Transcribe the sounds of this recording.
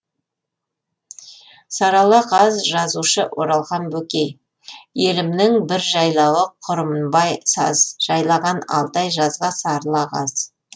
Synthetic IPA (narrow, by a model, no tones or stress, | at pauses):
sɑɾɑlˠɑqɑzʒɑzuʃəʔwʔo̞ɾɑlˠʁɑnbɵkʲej | je̞lɪmnɪŋbɪɾʒɑjlˠɑwəqʰʊɾəmənbɑjsɑ̰zʒ̥ɑjlˠɑʁɑnɑ̰lˠt̪ɑjʒɑzʁɑsɑɾlˠɑqɑz